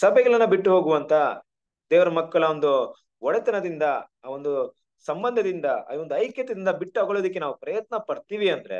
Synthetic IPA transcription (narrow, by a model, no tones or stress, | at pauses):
sɐbʱɛɡɐɭɐnːɐbiʈːuɦoːɡuʋɐnt̪ʰɐ | d̪ɛːʋɐɾɐmɐkːɐɭɐond̪u | ɔɽɛt̪ɐnɐd̪ind̪ɐː | ond̪u | sɐmbɐnd̪ʱɐd̪ind̪ɐ̰ːond̪uɐjkjɐt̪ɐd̪ind̪ɐbiʈːaːɡoɭoːd̪ik̬ːe̞naːʋupɾɐjɐt̪̚nɐpɐɽt̪iːʋiɐnd̪ɐɾe̞̰